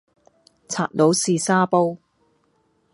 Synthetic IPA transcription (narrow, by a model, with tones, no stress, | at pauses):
t͡sʰaː˨t̚lo˨˥wsiː˨˧saː˥po˥w